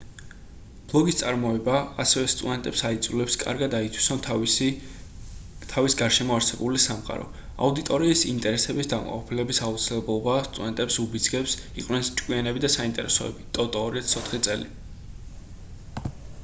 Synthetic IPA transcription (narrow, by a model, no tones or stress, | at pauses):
b̥lˠɔɡist̪sʼaɾmɔɛbaːsɛvɛst̪ʼud̪ɛnt̪ʼɛpsait̪sʼulɛpskʼa̰ɾɡad̪ait̪ʰwi̥sɔn | t̪ʰavisɡaɾʃɛmɔaɾsɛbulisamqʼa̰ɾɔ̰ | a̰ud̪it̪ʼɔɾiːsḭnt̪ʼɛɾɛsɛbisd̪am̰qʼɔpʰilɛbisaut̪sʰilɛblˠɔbast̪ʼud̪ɛnt̪ʼɛpsubid̪zɡɛps | iqʼwnɛnst͡ʃʼkʼwianɛbid̪asaint̪ʼɛ̰ɾɛsɔɛ̰bit̪ʼɔt̪ʼɔːɾɛt̪sʰɔt̪ʰχit̪sʼɛ̰li